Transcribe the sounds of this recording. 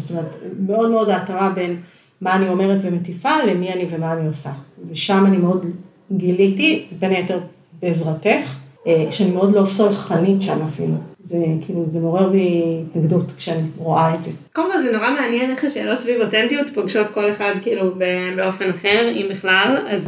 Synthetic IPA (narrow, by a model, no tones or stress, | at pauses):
st̪omeetme̞o̞dmeo̞daːtaʁabe̞n | maːnio̞meʁetvemetifalemianivemaːniosaveʃamanimeo̞d | ɡilitibenejeteʁ | beːzʁate̞χeʃeanimeo̞dlo̞solχanitʃamafḭluzekʰiːluzemoʁeʁbiːtnaɡdutkʃeaniʁoʔaedzekolmkolzenoʁameanjeneχaʃeːlo̞tsvivotentijutpaɡʃo̞tko̞leχadkiilubebeo̞fenaχeʁimbiχlalaz